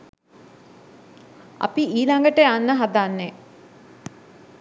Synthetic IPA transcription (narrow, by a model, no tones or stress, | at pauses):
a̰piiːlaŋɡəʈəanːəɦad̪anːe